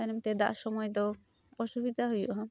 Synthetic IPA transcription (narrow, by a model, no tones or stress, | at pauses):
animt̪ed̪a̰ʔʃɔmɔjd̪ɔ | pɔʃubid̪ʱaɦojṵʔɦɔ